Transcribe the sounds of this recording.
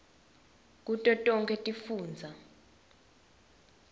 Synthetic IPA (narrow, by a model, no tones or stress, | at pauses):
k̬ʼutʼɔtʼɔŋkʼɛtʼifuːnd͡zʱa